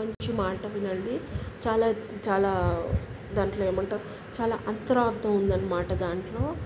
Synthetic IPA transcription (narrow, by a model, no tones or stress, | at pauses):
ɐɲt͡ʃt͡ʃimaːɽʈɐʋinɐɳɖit͡ʃaːlaːt͡ʃaːlaː | d̪aːɳʈloːeːmɐɳʈɐm | t͡ʃaːlaːʔɐnt̪ɐɾaːɾt̪ʰːɐmund̪ɐnːɐmaːʈɐd̪aːɳʈlo̞ː